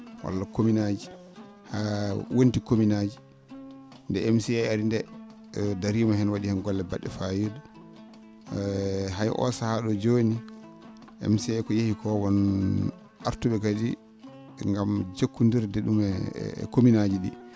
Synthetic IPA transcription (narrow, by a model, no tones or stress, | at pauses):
wa̰lːakominad͡ʒi | hawontikominad͡ʒi | ndɛɛmsiɛjaɾindɛ | daɾiːmahɛnwaɗihɛnɡɔlːɛbaɗːɛfajeɗu | ɦajʔɔ̰sahaɗɔd͡ʒoni | ʔɛ̰msɛkɔjehikɔwɔn | aɾtuɓɛkadi | ŋɡamd͡ʒokːundiɾdɛɗumɛ̰kominad͡ʒiɗḭ